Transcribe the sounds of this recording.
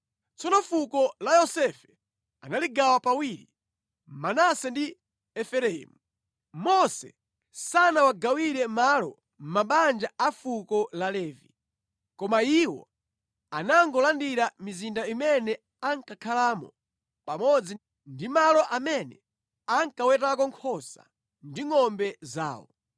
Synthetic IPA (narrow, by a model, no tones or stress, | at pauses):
t͡sɔnɔfukɔlajɔsɛfɛ̥ | a̰naliɡawapawiːɾi | manasɛndi | ɛfɛɾɛḭmu | mɔsɛ̰ | sanawaɡawiɾɛmalɔ | m̩maɓand͡ʒaʔafukɔlalɛːvi | kɔmaiwɔ̰ | anaŋɡɔlandiɾamizindaimɛnɛ | aŋkakʰalaːmɔ̰ | pamɔd͡zi | ndimalɔʔamɛnɛ | aŋkawɛtakɔŋkʰɔsa̰ | ndiŋɔmbɛza̰ːwɔ̰